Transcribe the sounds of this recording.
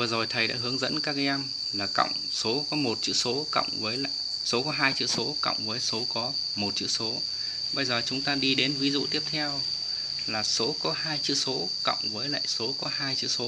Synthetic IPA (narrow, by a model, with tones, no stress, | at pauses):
vəː˨˩zo˨˩jt̪ʰə˨˩jɗa̰ː˧˥ɦɨ˨˦əŋzə̰˧˥nkaː˦˥k̚ːa˨˧jʔa˧n | laː˨˩kə̰˧˨wŋ͡m | so˨˦kɔ˨˦mo˨˩t̚t͡ɕɨ̰˧˥so˨˦kə̰˧˨wŋ͡mvəː˨˦jla̰ː˧˨j | so˨˦kɔ˨˦ɦaː˧jt͡ɕɨ̰˧˥so˨˦kə̰˧˨wŋ͡mvəː˨˦jso˨˦kɔ˨˦ | mo˨˩t̚t͡ɕɨ̰˧˥so˨˦ | ɓə˧jzəː˨˩t͡ɕʊ˨˦ŋ͡mt̪aː˧ɗi˧ɗe˨˦nvi˨˦zṵ˧˨t̪i˦˥əp̚t̪ʰɛ˧w | laː˨˩so˨˦kɔ˨˦ɦaː˧jt͡ɕɨ̰˧˥so˨˦ | kə̰˧˨wŋ͡mvəː˨˦jla̰ː˧˨jso˨˦kɔ˨˦ɦaː˧jt͡ɕɨ̰˧˥so˨˦